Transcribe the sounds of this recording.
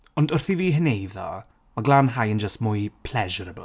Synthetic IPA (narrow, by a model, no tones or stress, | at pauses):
ɔndʊrθiviːɦənejðɔ̰ | maɡlaːnɦajənd͡ʒəstmʊjpʰl̥ɛʒɔɾəbə̰